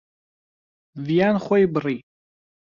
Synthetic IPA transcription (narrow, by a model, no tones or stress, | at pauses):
vjanχʷajbri